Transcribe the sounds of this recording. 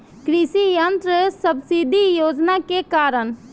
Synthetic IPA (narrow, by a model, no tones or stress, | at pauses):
kɾisijənt̪ɾəsəbsid̪ʱijoːd͡ʒnakekaːɾəɳ